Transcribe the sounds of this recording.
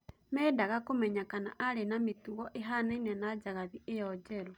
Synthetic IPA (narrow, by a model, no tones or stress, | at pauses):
mɛːdaɣakomɛɲakana̰ʔaɾenametuɣɔʔeɦanenanad͡ʒaɣaðiejɔd͡ʒɛɾo